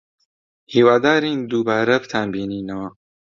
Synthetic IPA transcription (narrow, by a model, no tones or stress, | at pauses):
hiːwaːd̪aːɾiːnd̪ubaːɾɐbt̪ʰaːmbiːniːnɐwɐ